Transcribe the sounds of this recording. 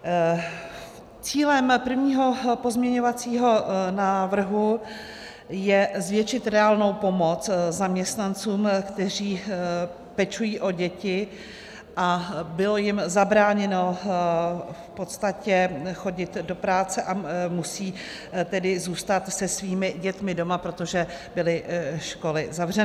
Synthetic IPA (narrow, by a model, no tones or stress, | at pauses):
t͡siːlɛmpr̩vɲiːɦo̞po̞zmɲɛɲo̞vat͡siːɦo̞naːvr̩ɦu | jɛzvjɛt͡ʃɪt̪ɾɛaːlno̞wpo̞mo̞t͡szamɲɛst̪nant͡suːmkt̪ɛr̝iː | pɛt͡ʃujiːʔo̞ɟɛcɪ | ʔabɪlo̞jɪmzabɾaːɲɛno̞ | fpo̞t̪st̪acɛxo̞ɟɪt̪do̞pɾaːt͡sɛʔamusiː | t̪ɛdɪzuːst̪at̪sɛsviːmɪɟɛt̪mɪdo̞mapɾo̞t̪o̞ʒɛ | bɪlɪʃko̞lɪzavr̝ɛnɪ